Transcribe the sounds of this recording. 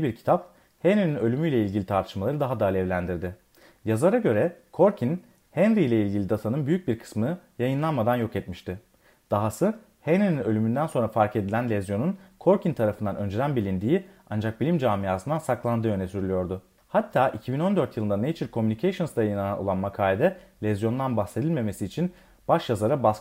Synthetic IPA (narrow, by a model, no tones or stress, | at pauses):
ibiɾcʰi̥t̪ʰap | hɛnɾininø̞lʲymyjlʲɛilʲɟilʲit̪ʰaɾt̪ʰɯ̥ʃmalˠaɾɯd̪aɦad̪aːlʲɛvlʲænd̪iɾd̪ɪ | jazlˠaɾaɟø̞ɾɛkʰo̞ɾcʰin | hɛnɾijlʲɛilʲɟilʲid̪at̪ʰanɯnbyjyc̚biɾkʰɯ̥smɯjajɯnlˠanmad̪anjo̞kɛt̪miʃt̪ʰɪ | d̪̥aɦasɯ | hɛnɾininø̞lʲymynd̪ænso̞nɾafaɾke̞d̪ilʲænlʲɛzjo̞nunkʰo̞ɾcint̪ʰaɾafɯnd̪anʔø̞nd͡ʒyɾænbilʲind̪iːiand͡ʒak̚bilʲimd͡ʒaːmijaːsɯnd̪ansaklˠand̪ɯːø̞nesyɾylʲyjo̞ɾd̪ʊ | hat̪ʰːaːʔicʰibino̞nd̪ø̞ɾt̪ʰjɯlˠɯnd̪anejit͡ʃʰiɾkʰo̞mynicʰejʃonsd̪ajajɯnananolˠanmakʰaːlʲed̪ɛlʲɛzjo̞nd̪anbaxse̞d̪ilʲme̞me̞siːt͡ʃʰin | b̥aʃjazaɾabask